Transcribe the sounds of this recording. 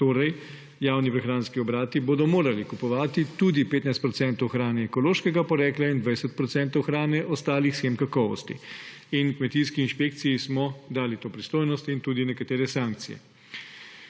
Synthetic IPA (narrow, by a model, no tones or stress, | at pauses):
t̪oːɾɛj | jaːwnipɾɛxɾaːnskiɔbɾaːt̪iboːd̪ɔmoːɾalikupɔʋaːt̪it̪ud̪ipeːt̪najst̪pɾɔt̪sɛnt̪ɔwxɾaːnɛːkɔloːʃkɛɡapɔɾɛːklaind̪ʋajsɛt̪̚pɾɔt̪sɛnt̪ɔwxɾaːnɛʔɔst̪aːlixsxemkakɔʋɔ̰st̪ḭ | inkmɛt̪iskiːnʃpek̚t̪sijismɔd̪aːlit̪oːpɾist̪oːjnɔst̪int̪uːd̪inɛkat̪eːɾɛsaŋk̚t̪sijɛ̰